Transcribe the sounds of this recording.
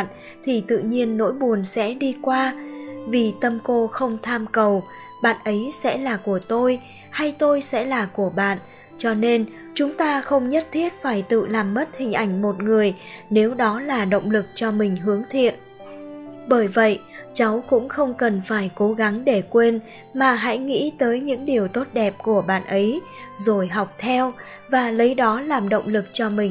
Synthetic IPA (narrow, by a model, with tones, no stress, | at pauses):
n | t̪ʰi˨˩t̪ɨ̰˧˨ɲi˧ənːo̰˧˥jɓu˨˩ənsɛ̰˧˥ɗi˧kwaː˧vi˨˩t̪ə˧mko˧xə˧wŋ͡mt̪ʰaː˧mkə˨˩w | ɓa̰ː˧˨nʔə˨˦jsɛ̰˧˥laː˨˩ku˧˩ət̪o˧j | ha˧jt̪o˧jsɛ̰˧˥laː˨˩ku˧˩əɓa̰ː˧˨n | t͡ɕɔ˧ne˧n | t͡ɕʊ˨˦ŋ͡mt̪aː˧xə˧wŋ͡mɲə˦˥t̚t̪ʰi˦˥ət̚faː˧˩jt̪ɨ̰˧˨laː˨˩mːə˦˥t̚hï˨˩ŋ̟ʔa˧˩jŋ̟mo˨˩t̚ŋɨ˨˩əjne˨˦wɗɔ˨˦laː˨˩ɗə̰˧˨wŋ͡mlɨ˨˩k̚t͡ɕɔ˧mï˨˩ŋ̟ɦɨ˨˦əŋt̪ʰḭ˧˨ən | ɓəː˧˩jvə̰˧˨jt͡ɕa˨˦wkʊ̰˧˥ŋ͡mxə˧wŋ͡mkə˨˩nfaː˧˩jko˨˦ɣa˨˦ŋɗe˧˩kwe˧n | maː˨˩ɦa̰˧˥jŋḭ˧˥t̪əː˨˦jɲɨ̰˧˥ŋɗi˨˩əwt̪o˦˥t̚ɗɛ˨˩p̚ku˧˩əɓa̰ː˧˨nʔə˨˦j | zo˨˩jɦa˨˩wk͡p̚t̪ʰɛ˧w | vaː˨˩lə˨˦jɗɔ˨˦laː˨˩mɗə̰˧˨wŋ͡mlɨ˨˩k̚t͡ɕɔ˧mï˨˩ŋ̟